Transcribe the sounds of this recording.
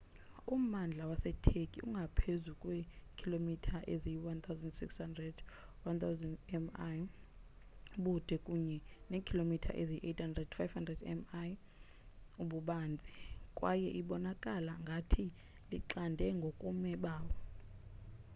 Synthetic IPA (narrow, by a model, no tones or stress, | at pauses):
um̩and͡ɮʱawasɛtʰekʼiʔṵŋɡʱapʰezukʼwɛkʰilomitʰaʔeziwant̪ʰawzɛndsikshandrɛd | want̪ʰawzɛndɛmaj | uɓud̥ʱɛkʼuɲɛnekʰilomitʰa̰ʔeziʔetʰhandrɛdfajvhandrɛdɛ̰maj | uɓuɓaːnd͡zʱikʼwajɛʔiɓɔnakʼalaŋɡʱatʰi | liǃandʱɛŋɡʱokʼumɛɓaːwɔ